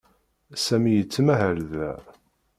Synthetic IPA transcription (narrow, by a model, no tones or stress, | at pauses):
sæmijət͡sːəmæɦəɾðæ